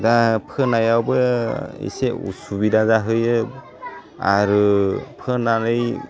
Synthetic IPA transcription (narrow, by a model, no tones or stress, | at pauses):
dapʰɯnajawbɯḭseṵsubidazaɦɯjɯ | a̰ɾɯpʰɯnaɾɯj